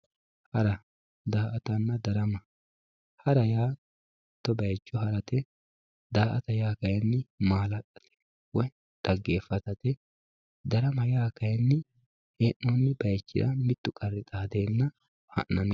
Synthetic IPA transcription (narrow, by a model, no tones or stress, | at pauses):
hɐɾɐ | d̪aːʔɐt̪ɐnːɐd̪ɐɾɐmɐ | hɐɾɐjaː | t̪ːɔbɐjt͡ʃːɔhɐɾɐt̪ɛ | d̪aːʔɐt̪ɐjaːkɐjnːɪmaːlɐtʼːɐ̥t̪ʰɛ̥ | wɔj | d̪̥ɐɡːeːfɐt̪ɐt̪ɛ | d̪ɐɾɐmɐjaːkɐjnːɪ | heːnːɔnːɪb̥ɐjt͡ʃːɪ̰d̪ɐ̰mɪt̪ːʊkʼɐrːɪt̪ʼaːd̪eːnːɐ | hɐ̰nːɐn